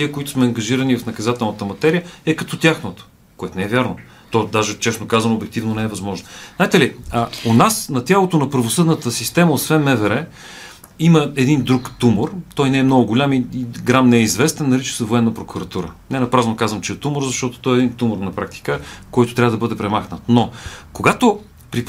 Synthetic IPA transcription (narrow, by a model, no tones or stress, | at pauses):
t̪iəkoit̪ʊ̥smɛɐŋɡɐʒiɾənivɐfnɐkɐzat̪ɛlˠnət̪əmɐt̪ɛɾijəɛkɐt̪ɔt̪ʲjaxnot̪o̥ | koɛt̪onɛɛvʲjaɾno | t̪ɔd̪aʒɛt͡ʃɛsnokazɐnoːbɛkt̪ivnonɛɛvɐzmɔʒnoznajt̪ɛliəonasnɐt̪ʲjalˠot̪onɐpəɾvosɤd̪nət̪əsist̪ɛmɐot̪svɛnmɛvɛɾɛ | iməɛd̪ind̪ɾukt̪umoɾt̪ɔjnɛɛmnɔɡʊɡʊlʲamiiɡɾamnɛɛizvɛst̪ɛnːɐɾit͡ʃi̥səvoɛnːəpɾokuɾɐt̪uɾə̰nɛnɐpɾaznokazvəmt͡ʃɛɛt̪uməɾzɐʃt̪ɔt̪o̥t̪ɔjɛd̪int̪uməɾnɐpɾak̚t̪i̥kəkɔjt̪ʊt̪ɾʲavəd̪ɐbɤd̪ɛpɾɛmaxnət̪nokoɡat̪o | pɾi